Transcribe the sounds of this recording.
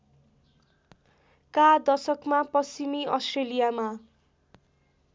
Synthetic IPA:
kad̪ʌsʌkmapʌsimiʌsʈrelijama

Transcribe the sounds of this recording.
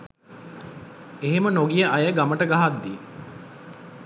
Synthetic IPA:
eɦemənoɡijəʔajəɡaməʈəɡaɦad̪ːi

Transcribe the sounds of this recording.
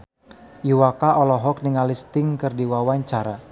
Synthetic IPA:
iwakaɔlɔɦɔk̚niŋalist̪ɪŋkɨrdiwawaɲt͡ʃaɾa

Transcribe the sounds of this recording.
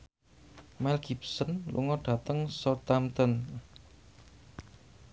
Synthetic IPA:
mɛlɡ̥ip̚sənlʔṵŋɔɖ̥ä̤t̪əŋsɔt̪amt̪ən

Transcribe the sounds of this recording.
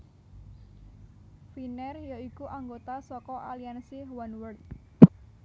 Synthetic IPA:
finɛrjoikuʔaŋɡot̪asɔkɔʔaliansiɦwanwərt̪̚

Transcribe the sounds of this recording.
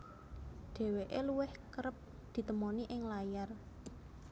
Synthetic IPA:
d̪̥e̤weʔeluwɪhkəɾəp̚ | d̪̥i̤t̪əmoniʔɪŋlajar

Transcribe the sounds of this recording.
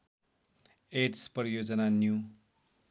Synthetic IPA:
esprijod͡zʌnanju

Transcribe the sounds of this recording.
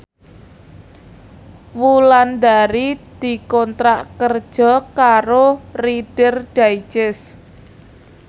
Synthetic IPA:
wuland̪aɾid̪̥i̤kɔnt̪ɾaʔkərd̥ʒ̥ɔ̤kaɾoriɖ̥ərɖ̥aid͡ʒɪs

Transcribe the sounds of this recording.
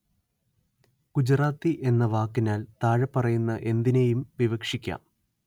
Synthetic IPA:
kud͡ʑraːt̪ːiʔe̞nːɐʋaːkːinaːlt̪aːɻɐpːɐrɐjunːɐʔe̞nd̪inejumʋiʋɐkʂikʲːa̰ːm

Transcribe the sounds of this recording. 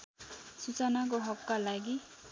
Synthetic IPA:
sut͡sʌnak̬oɦʌkːalaɡi

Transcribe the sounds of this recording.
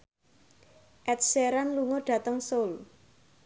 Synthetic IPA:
ʔɛt̪̚seɾanluŋoɖ̥a̤t̪əŋsol

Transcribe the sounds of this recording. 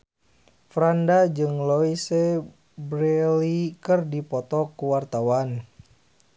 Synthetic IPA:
fɾandad͡ʒɨŋlɔise | bɾɛlikɨrdipɔt̪ɔkuwart̪awan

